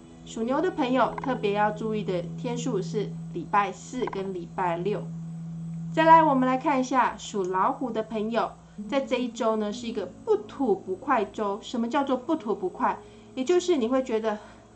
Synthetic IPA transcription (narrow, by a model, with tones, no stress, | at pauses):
ʂu˨˩njo˧˥ʊd̪ə˧pʰə˧˥ŋjo˨ʊt̪ʰɤ˥˩pjɛ˧˥jɑ˥˧ʊʈ͡ʂu˥˧i˥˩d̪ə˩t̪ʰjɛ˥nʂu˥˧ʂɻ̩˥˩li˨˩pa˥˧ɪsɹ̩˥˩kə˦˥nli˨˩pa˥˩ɪljo˥˩ʊ | t͡sa˥˩ɪla˧˥ɪwɔ˨˩mə˦nla˧˥ɪkʰa˥˩˧ni˧˥ɕja˥˩ʂu˨˩lɑ˧˥ʊxu˧˥d̪ə˧pʰə˧˥ŋjo˨˩ʊ | t͡sa˥˧ɪʈ͡ʂɤ˥˧i˥˩ʈ͡ʂo˥ʊnə˨ʂɻ̩˥˩i˧˥ɡə˧pu˥˩t̪ʰu˧˥pu˧˦˥kʰwa˥˩ɪʈ͡ʂo˥ʊʂə˧˥nmə˧t͡ɕjɑ˥˧ʊt͡swɔ˥˧pu˥˩t̪ʰu˧˥pu˧˥kʰwa˥˩ɪ | jɛ˨˩t͡ɕjo˥˧ʊʂɻ̩˥˩ni˨˩xwe˥˩ɪt͡ɕɥɛ˧˥d̪ə˧